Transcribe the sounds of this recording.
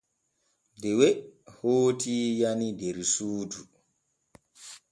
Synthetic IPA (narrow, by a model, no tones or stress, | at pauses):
dɛwehoːtʰijanideɾsuːdu